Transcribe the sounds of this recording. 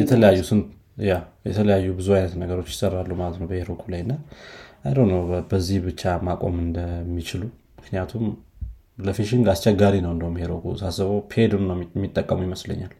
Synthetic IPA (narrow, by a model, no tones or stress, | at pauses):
jɛt̪ʰələjajːusɨnt̪ | jajɛt̪ʰələjajːubɨzuajnət̪nəɡəɾo̞t͡ʃːjɪ̥sərːalːumalət̪nəwbəheɾokʰulajɨnːaajɾəwnəwbəzːihbɨt͡ʃːamakʼo̞̰mɨnd̪əmːit͡ʃɪlu | mɨknijat̪ʰum | ləfiʃiŋɡlast͡ʃɛɡaɾinəwɨnd̪əumːiheɾokʰṵsasəβəwpʰed̪unnəwmːit̪ʼːəkʼːəmujiməslə̰ɲːal